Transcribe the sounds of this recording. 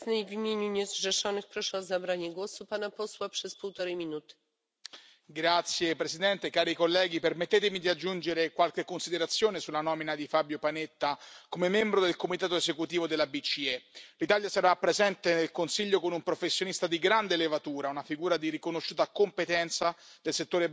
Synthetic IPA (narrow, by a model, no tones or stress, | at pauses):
ɲɛjvimʲjeɲuɲɛzʐɛʂɔnɨxpɾɔʂɛɔzabɾaɲɛɡwɔsupanapɔswapʂɛspuwt̪ɔɾɛmʲinut̪ɘ̥ | ɡɾat̪sjepɾesid̪ɛnt̪ekaːɾikolːɛːɡipermet̪ːeːt̪emid̪iad͡ʒːund͡ʒeɾekwalkekːonsid̪eɾat̪sːjoːnesulːanɔminad̪ifabjopanet̪ːakomemːɛmbɾod̪elkomit̪aːt̪oezekut̪iːvod̪elːabit͡ʃiɛlit̪aljasaɾapːɾezɛnt̪enelkonsiʎːokonumpɾofesːjonist̪ad̪iɡɾand̪elevat̪uːɾaunafiɡuːɾad̪iɾikonoʃːuːt̪akompet̪ɛnt̪sad̪̥elset̪ːoːɾe